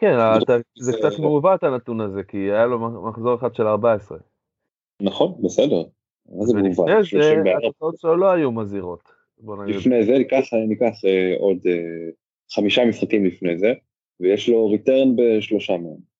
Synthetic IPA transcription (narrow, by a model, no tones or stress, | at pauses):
kenat̪azekt͡sat̪meuvat̪anat̪unazekiajalo̞maχzo̞ʁeχad̥̪ʃe̞laʁbaesʁe | naχo̞nbesedeʁ | mazeuvaʃoʃeimbeaaot͡saotʃeolo̞ajumaziʁo̞t̪ | bo̞naɡlidfnejzekaχanikaχeode | χamiʃamisχakimlifnejze | vejeʃlo̞ʁiteʁnbe̞ʃlo̞ʃameem